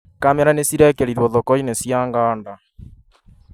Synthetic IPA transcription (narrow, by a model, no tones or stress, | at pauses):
kamɛɾanesiɾɛkɛɾiɾwɔðɔkɔinesjaŋɡaːnda